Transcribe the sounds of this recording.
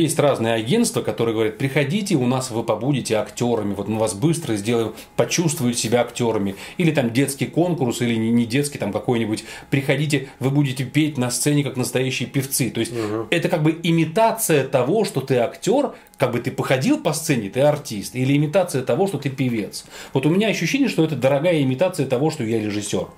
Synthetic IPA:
jesʲtʲraznɨjəɐɡʲe̞nt̪st̪vəkɐt̪oɾɨəɡəvɐɾʲit̪̚pɾʲɪxɐdʲitʲɪʊnasvɨpɐbudʲɪtʲɪɐktʲo̞ɾəmʲɪvo̞t̪mɨvasbɨst̪ɾəzʲdʲe̞lˠəjɪm | pɐt͡ɕust̪vʊjʊt̪sʲɪbʲaɐktʲo̞ɾəmʲɪilʲɪt̪amdʲe̞t̪skʲɪjko̞nkʊrsilʲɪɪnʲɪdʲe̞t̪skʲɪjt̪amkɐko̞jnʲɪbʊtʲpɾʲɪxɐdʲit̬ʲɪvɨbudʲɪtʲɪpʲetʲnɐst̪sɛnʲɪkaknəst̪ɐjæɕːɪjəpʲɪft̪sɨt̪o̞ɪsʲt̚ʲɛt̪əkaɡ̚bɨɪmʲɪt̪at̪sɨjət̪ɐvo̞ʂt̪ot̪ɨɐktʲo̞r | kaɡ̚bɨt̪ɨpəxɐdʲilˠpɐst̪sɛnʲɪt̪ɨɐrtʲist̪ilʲɪɪmʲɪt̪at̪sɨjət̪ɐvo̞ʂt̪ot̪ɨpʲɪvʲe̞t̪svo̞t̪ʊmʲɪnʲaɐɕːʉɕːenʲɪjəʂt̪o̞ɛt̪əd̪əɾɐɡajəɪmʲɪt̪at̪sɨjət̪ɐvo̞ʂt̪ojaɾʲɪʐɨsʲːo̞r

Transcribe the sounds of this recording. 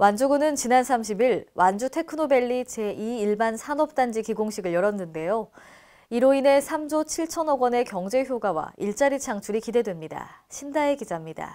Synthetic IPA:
wand͡ʑuɡunɯnt͡ɕinansʰamɕ̬ʰibiɭwʔand͡ʑutʰe̞kʰɯnobe̞ɭːit͡ɕe̞iːɭbansʰanʌp̚t͈and͡ʑikiɡoŋɕʰiɡɯɭjʌɾʌnːɯnde̞jo | iɾoine̞sʰamd͡ʑot͡ɕʰiɭt͡ɕʰʌnʌɡwʌne̞kjʌŋd͡ʑe̞çjoɡawa̰iɭt͡ɕ͈aɾit͡ɕʰaŋt͡ɕʰuɾikide̞dwe̞mɲida̰ɕʰimdae̞kid͡ʑamɲida̰

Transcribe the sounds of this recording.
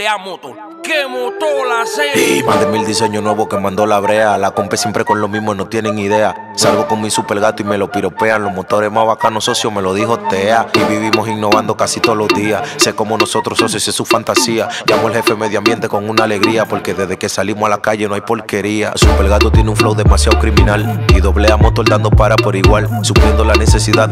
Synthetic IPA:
amo | kemot̪olaseimazðe̞mild̪ise̞ɲo̞nwe̞βo̞ke̞mãnd̪o̞laβɾe̞alako̞mpɾe̞sjempɾe̞ko̞nlo̞mĩɦmono̞t̪je̞ne̞ŋiðe̞a | salβo̞ko̞ŋmisupe̞lɣat̪oime̞lo̞piɾo̞pe̞aŋlo̞ɦmo̞t̪o̞ɾe̞ɦmaβakanoso̞sjome̞lo̞ðiho̞t̪eaiβiβimo̞siŋno̞βand̪o̞kasit̪oolozðiasse̞ko̞mo̞no̞so̞t̪ɾoso̞s̬esesufant̪asiaɟ͡ʝamoelhe̞fe̞me̞ðjoambje̞nt̪e̞ko̞ŋunaːle̞ɣɾiapo̞ɾke̞ðezðeke̞salimosalakaʝenoajpo̞lke̞ɾia̰supe̞lɣat̪ot̪je̞neuɱflowðe̞masjaðokɾimĩnaliðo̞βleamo̞t̪o̞ld̪and̪o̞paɾapo̞ɾiɣwalsupɾje̞nd̪olane̞se̞siðað

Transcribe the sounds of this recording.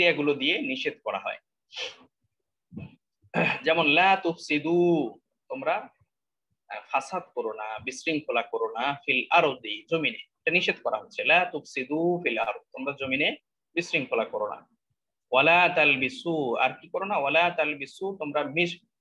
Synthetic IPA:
t̪eaɡulod̪ijeniʃet̪kɔɾa̰ɦɔ̰e | d͡ʑɛmonlat̪ufsid̪u | t̪omɾa | fasad̪koɾonabisɾiŋkʰolakoɾonafilaɾd̪id͡ʑomineeʈaniʃet̪kɔɾa̰ɦotːt͡ɕʰelaːt̪ufsid̪ufilaɾd̪̚t̪omɾad͡ʑomine | bisɾiŋkʰolakoɾona̰ | walat̪albisua̰ɾkikɔɾonawalat̪albisut̪omɾamiʃ

